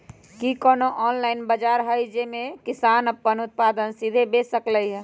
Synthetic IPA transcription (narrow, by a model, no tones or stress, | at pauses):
kikɔnoʔɔnlaɪnbəd͡ʒaɾɦəjd͡ʒemẽkɪsanəpːənut̪̚pad̪ənsid̪ʱebesəkləiɦɛ